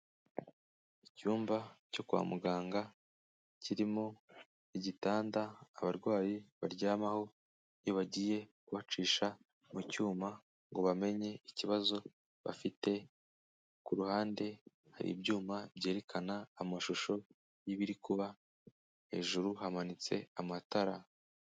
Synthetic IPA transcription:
icuːmbaco̞kuwa̰muɡaːŋɡa | ciɾimo | iɟitaːndaːβaɾɡwaːjiβaɾɟaːmaho̞ | joβaɟiːje̞kuβat͡ʃiːʃa | mucuːma | ŋɡo̞βame̞ɲe̞iciβazo̞ | βa̰fite̞ | kuɾuhaːnde̞ | ha̰ɾḭbɟuːmabɟe̞ːɾe̞kʰanaːmaʃuʃo̞ | jiβiɾikuβa | he̞̰ːʒuɾuɦamanit͡se̞̰amataɾa

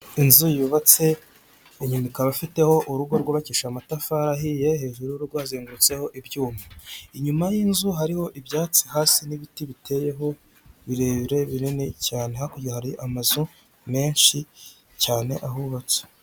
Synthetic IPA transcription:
inzujuβat͡se̞ | iɲumikaβafite̞ho̞ʔuɾuɡoɾɡwoβaciʃamatafaːɾahije̞he̞ːʒuɾujuɾuɾɡaːziːŋɡuɾut͡se̞ho̞ʔibɟuːmaiɲumajiːnzuɦaɾiho̞ʔibjaːt͡sihaːsiniβitiβitʰe̞je̞ɦo̞ | βiɾe̞ːβiɾe̞βinene̞caːnehakuohaɾiʔamazu | me̞ːnʃi | caːne̞̰ʔahuβat͡se̥

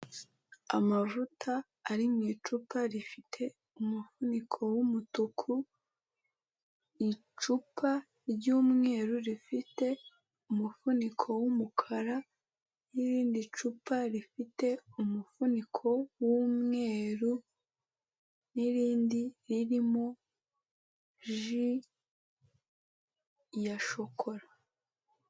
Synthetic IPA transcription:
a̰mavutʰaː | ɾimŋiːt͡ʃupaɾifitʰe̞ | umufunikʰo̞wumutukʰu | i | t͡ʃupʰa | ɾɟuːmŋe̞ːɾuɾifite̞ | umufunikʰo̞wumukʰaɾa | niɾiːndit͡ʃupaɾifite̞umufunikʰo̞wumŋe̞ːɾu | niɾiːndiɾiɾimo̞ | ʒi | jaʃo̞kʰo̞ɾa

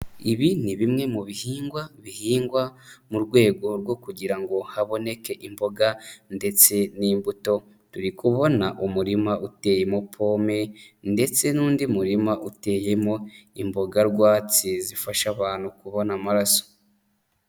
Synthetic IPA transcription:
iβiniβimŋe̞muβihiːŋɡwaβihiːŋɡwamuɾɡwe̞ːɡo̞ɾɡo̞kuɟiɾaŋɡo̞haβo̞ne̞ke̞ʔimbo̞ɡande̞t͡se̞niːmbuto̞ | tuɾikuβo̞naʔumuɾimaute̞ːje̞mo̞pʰo̞ːme̞nde̞t͡se̞nuːndiumuɾimaʔute̞ːje̞mo̞imbo̞ɡaɾɡwaːt͡sizifaʃaβaːnhukuβonamaɾaso̥

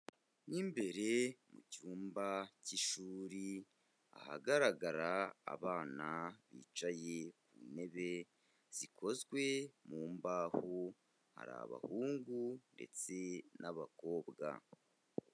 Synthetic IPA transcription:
nimbe̞ɾe̞mucuːmbaciʃuːɾi | a̰ha̰ɡaɾaɡaɾa̰ːβaːnaβḭːt͡ʃajekune̞βe̞ | z̥ikʰo̞zɡwe̞muːmbaho | ha̰ɾa̰βa̰huːŋɡunde̞̰t͡se̞nʔaβako̞ːbɡa̰

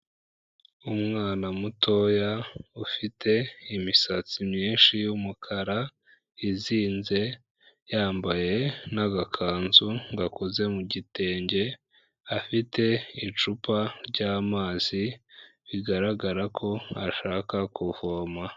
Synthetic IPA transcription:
umŋaːnamutʰo̞jaufitʰe̞imisat͡simɲiːnʃijumukʰaɾa | iziːnze̞ | jaːmbaje̞naɡakʰaːnzuŋɡakoze̞muɟite̞ːɲɟe̞ | afitʰe̞it͡ʃupaɾɟaːmaːz̥iβiɡaɾaɡaɾakʰo̞a̰ʃaːkakuvoːma

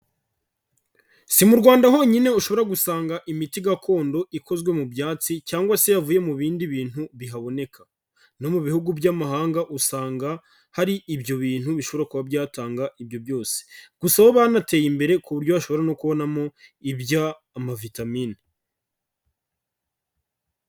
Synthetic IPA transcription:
simuɾɡwaːndaɦo̞ɲine̞uʃo̞βo̞ɾaɡusaːŋɡaʔimitiɡakʰo̞ːndo̞ʔikʰo̞zɡwe̞mubjaːt͡sicaːŋɡwase̞javuːje̞muβiːndiβiːn̥huβiɦaβo̞ne̞kʰa | no̞muβihuɡubɟamaɦaːŋɡaʔusaːŋɡa | haɾiʔibjo̞βiːn̥huβiʃo̞βo̞ɾakuβabjaːtaːŋɡaʔibjo̞bjo̞ːse̥ɡ̥usaβoβanate̞jimbe̞ɾe̞kuβuɾɟoβaʃo̞βo̞ɾano̞kuβo̞namo̞ibjaː | mavitamiːni

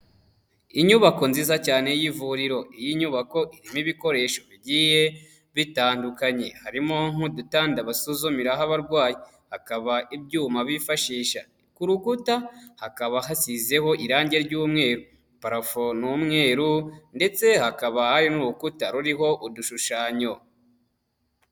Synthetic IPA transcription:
iɲuβako̞nziːzacaːne̞jivuɾiɾo̞ijiɲuβako̞ʔiɾimiβiko̞ɾe̞ʃo̞βiɟiːje | βitaːndukaɲe̞haɾimoŋudutaːndaβasuzomiɾaɦaβaɾɡwaːji | hakaβaʔibɟuːmaβifaʃiːʃa̰ | kuɾukutahakaβaɦasize̞ho̞ʔiɾaːɲɟe̞ɾɟuːmŋe̞ːɾu | paɾafonumŋe̞ːɾunde̞t͡se̞hakaβahajonuɾukutaɾuɾiɦo̞ʔuduʃuʃaːɲo̞

